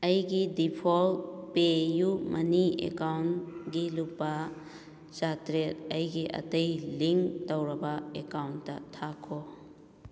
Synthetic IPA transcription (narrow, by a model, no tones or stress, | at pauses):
ɐjɡidipʰolpejumʔɐniḛkawnɡilupːa | t͡ʃatɾetɐjɡiʔɐ̰tɐjliŋtɐwɾɐbaekawnːɐ̰tʰakʰo